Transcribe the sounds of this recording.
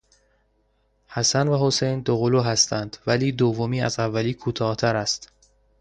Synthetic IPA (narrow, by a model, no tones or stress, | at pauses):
hæsænvæhosejnd̪oɣoluːɦæst̪ʰænd̪̥væliːd̪ovːomiːæ̰zævːæliːkʰuːt̪ʰɒːht̪ʰæɾæst̪